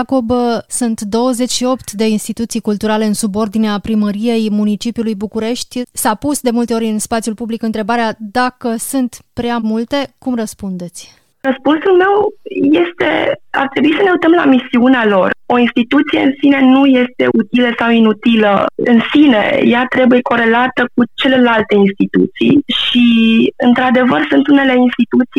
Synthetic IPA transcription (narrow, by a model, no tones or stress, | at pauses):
ko̞bsunt̪d̪o̞wəze̞t͡ʃʲʃio̞pt̪d̪e̞inst̪it̪ut̪sijkult̪uɾale̞ɨnsubo̞rd̪ineapɾiməɾije̞jmunit͡ʃipijulujbukuɾe̞ʃt̪ʲsapusd̪e̞mult̪eo̞ɾʲɨnspat̪sjulpublikɨnt̪ɾe̞baɾead̪akəsunt̪pɾeamult̪e̞kumrəspund̪e̞t̪sʲ | rəspunsulme̞wje̞st̪e̞̰a̰rt̪ɾebuisəne̞uit̪əmla̰misiunealo̞ro̞inst̪it̪ut̪sije̞ɨnsine̞nuje̞st̪e̞ʔut̪iləsawinut̪ilə̰ɨ̰nsine̞̰jat̪ɾe̞buje̞ko̞ɾe̞lat̪ək̚ut͡ʃe̞le̞lalt̪e̞inst̪it̪ṵt̪sḭjʃiɨnt̪ɾad̪e̞vərsunt̪unele̞inst̪it̪ut̪si